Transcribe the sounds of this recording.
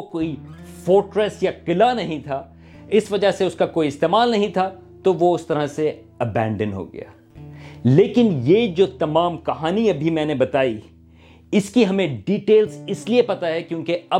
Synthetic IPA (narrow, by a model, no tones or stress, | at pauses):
koːifoːɾʈɾɛsjaqɪlanɐɦĩt̪ʰaː | ɪsʋɐd͡ʒaseʊskakoːiɪst̪eːmaːlnɐɦĩt̪ʰa | t̪oʋoʊst̪ɐɾase | ɐbɛ̃ːɳɖənɦo̰ɡɐ̰ja̰ː | leːkɪnjed͡ʒoːt̪ɐmaːmkɐɦaːniɐbʱimɛ̃ːnebɐt̪aːi | ɪskiɦɐmẽɖiːʈeːlzɪsliepɐt̪aɦɛkjõːkeɐ